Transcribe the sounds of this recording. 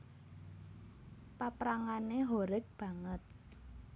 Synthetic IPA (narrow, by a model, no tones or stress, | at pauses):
papɾaŋaneɦoɾɛk̚b̥ä̤ŋət̪̚